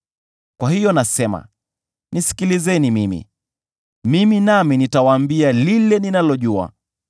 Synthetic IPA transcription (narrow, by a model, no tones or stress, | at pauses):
kwahijɔnasɛma̰ | nisi̥kilizɛnimimḭ | miminaminitawaːmbialilɛninalɔʄua̰